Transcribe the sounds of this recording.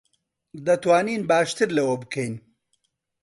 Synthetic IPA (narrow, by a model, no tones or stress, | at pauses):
d̪ɐt̪waːniːnbaːʃt̪ɨɾlɐwɐbɨkʰɐjn